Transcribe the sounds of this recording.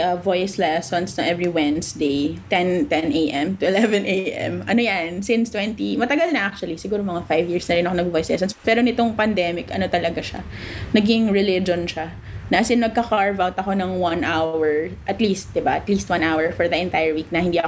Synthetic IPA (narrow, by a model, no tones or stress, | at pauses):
ʔɐvojslɛsonsnɐŋʔɛvɹiwɛnsd̪ejt̪ɛnt̪ɛnʔejʔɛmt̪ʊɪlɛvɛ̃nʔejʔɛ̰mɐno̞jansɪnst̪wɛnt̪imɐt̪ɐɡalnɐʔak̚t͡ʃʊɐlisɪɡuːɾomɐŋafajvjiɹsnɐɾɪnɐkoɐɡvojslɛ̰s̬onspɛːɾonɪt̪oŋpɐnd̪ɛmɪkʔɐ̰no̞t̪ɐlɐɡaʃa̰ | nɐɡɪŋɹɛlɪd͡ʒonʃa | nɐsɪnmɐɡ̚kɐkaɹvawt̪ɐko̞nɐŋwɐnʔawwɛɹʔɐt̪liːst̪̚d̪ɪbaʔɐt̪liːst̪wãnʔawɛɹfɔɹdðɐʔɛnt̪ajɛɹwik̚nɐhɪnd̪iːɐ